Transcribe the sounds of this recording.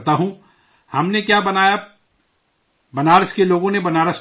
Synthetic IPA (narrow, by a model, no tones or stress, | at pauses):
t̪aɦũ | hɐmnekjaːbɐnaːja | bɐnaːɾəskeloːɡõnebɐnaːɾəs